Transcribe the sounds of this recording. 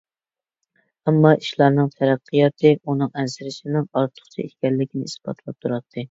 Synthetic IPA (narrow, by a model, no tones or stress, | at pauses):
ɛmːɑʔiʃlˠɑɾnɨŋt̪ʰæɾæqʰːɨjɑt̪ʰɨʔunɨŋɛnsɪɾɪʃɪnɪŋɑɾt̪ʰʊ̥χt͡ʃʰḭḭt̪kʲɛlːɪkʲʰinɪisb̥ɑ̰t̪ʰlˠɑp̚t̪ʰuɾɑt̪ʰːɨ